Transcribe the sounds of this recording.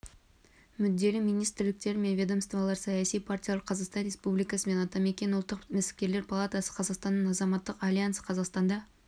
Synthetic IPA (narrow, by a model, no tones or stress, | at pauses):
mʏd̪ːe̞lɪmijnijst̪ɪɾlɪk̚t̪e̞ɾme̞nvʲe̞d̪əmst̪vɑlˠɑɾsɑjɑsijpʰartʲijalˠɑɾqʰɑzɑqst̪ɑnɾe̞spublijkɑsəme̞nɑt̪ɑme̞kʲe̞nʊlˠt̪ːəqmæsɪ̥p̚ʲkʲe̞ɾle̞ɾpʰɑlˠat̪ɑsə̥qʰɑzɑqst̪ɑnːəɴɑzɑmɑt̪ːəqalʲijansqʰɑzɑqst̪ɑnd̪ɑ